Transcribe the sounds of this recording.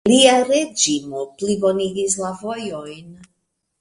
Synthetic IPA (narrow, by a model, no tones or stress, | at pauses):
liaɾe̞d͡ʒimoplibo̞niɡis̬lavo̞jo̞jn